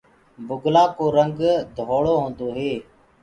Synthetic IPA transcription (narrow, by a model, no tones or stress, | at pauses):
bʊɡlaːkoːɾəŋɡd̪ʱoːɽoːɦõːnd̪oːɦeː